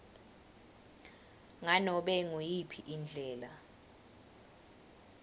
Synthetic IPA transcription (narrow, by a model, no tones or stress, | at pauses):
ŋanɔɓɛŋujipʰiʔind͡ɮʱɛːla